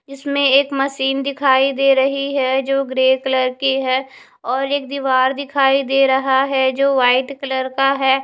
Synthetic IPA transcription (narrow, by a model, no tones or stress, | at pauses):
d͡ʒɪsmẽeːkmɐʃiːnd̪ɪkʰaːid̪eːɾɐɦiɦɛd͡ʒoːɡɾeːkləɾkiɦɛː | ɔːɾeːk̚d̪iːʋaːɾd̪ɪkʰaːid̪eːɾɐɦaɦɛd͡ʒoːʋaːɪʈkələɾkaɦɛː